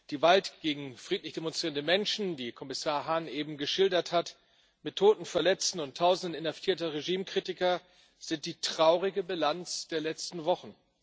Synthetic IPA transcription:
d̥iːvaltɡ̥eːɡŋ̩fʁ̥iːtlɪçd̥emɔnstʁ̥iːʁəndəmɛnʃn̩diːkʰɔmɪsaːɐɦanʔeːbm̩ɡəʃɪldɐthat | mɪtʰːoːtn̩fɛɐlɛt͡stn̩ʊntʰːaʊzn̩dən̩ɪnhaftʰiːɐtɐʁeʒiːmkʁ̥itɪkɐ | z̥ɪnt̚d̥iːtʁ̥aʊʁɪɡəbilant͡sd̥eːɐlɛt͡stn̩vɔχn̩

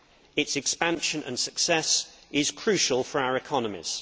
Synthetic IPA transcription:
ɪtsɛkspãnʃə̃nʔə̰̃nsəksɛsɪz̥kʰɹ̥ʉˑʃəlˠfəɹaʊəɹɪkʰɒnəmɪ̰z̥

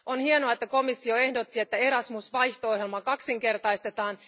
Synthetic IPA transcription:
ʔo̞nhienoɑet̪ːæko̞misːio̞e̞hdo̞t̪ːie̞t̪ːæe̞ɾɑsmusʋɑjht̪ooɦelmɑkɑksiŋke̞rt̪ɑjst̪e̞t̪ɑːn

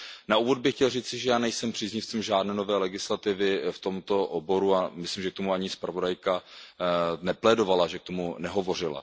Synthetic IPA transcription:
nauːvo̞d̪̚bɪxcɛlriːt͡sɪʒɛjaːnɛjsɛmpr̥iːzɲɪft͡simʒaːdnɛːno̞vɛːlɛɡɪslat̪ɪvɪft̪o̞mt̪o̞ʔobo̞ɾuamɪslimʒɛk̚t̪omuaɲɪspɾavo̞dajka | nɛplɛdovalaʒɛk̚t̪o̞munɛɦo̞vo̞r̝ɪla̰

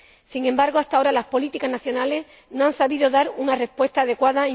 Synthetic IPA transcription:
siŋẽ̞mbaɾɣo̞ast̪ao̞ɾalaspo̞lit̪ikaznaθjo̞nale̞s | noãnsaβiðoðaɾunare̞spwe̞st̪aːðe̞kwaðae

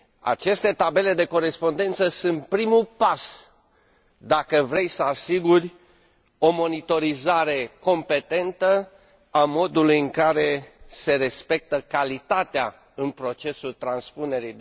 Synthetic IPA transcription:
a̰t͡ʃe̞st̪e̞t̪abe̞le̞d̪e̞ko̞ɾe̞spo̞nd̪e̞nt̪səsunt̪̚pɾimupas | d̪akəvɾe̞jsəasiɡurʲ | o̞mo̞nit̪o̞ɾizaɾe̞ko̞mpe̞t̪e̞nt̪ə | amo̞d̪ulujɨŋkaɾe̞se̞ɾe̞spe̞k̚t̪əkalit̪at̪ea | ɨnpɾo̞t͡ʃe̞sult̪ɾanspune̞ɾi

